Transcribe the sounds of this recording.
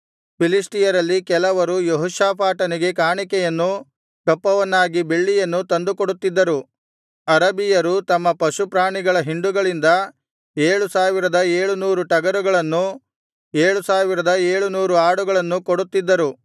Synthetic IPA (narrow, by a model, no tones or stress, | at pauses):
pilisʈijɐɾɐlːikɛlɐʋɐɾujoɦuʃaːpaːʈɐniɡe̞kaːɳikɛjɐnːu | kɐpːɐʋɐnːaːɡibe̞ɭːijɐnːut̪ɐnd̪ukoɽut̪ːid̪ːɐɾu | ɐɾɐbijɐɾut̪ɐmːɐpɐʃupɾaːɳiɡɐɭɐɦiɳɖuɡɐɭind̪ɐ | eːɭusaːʋiɾɐd̪ɐeːɭunuːɾuʈɐɡɐɾuɡɐɭɐnːu | eːɭusaːʋiɾɐd̪ɐeːɭunuːɾuaːɽuɡɐɭɐnːukoɽut̪ːid̪ːɐɾu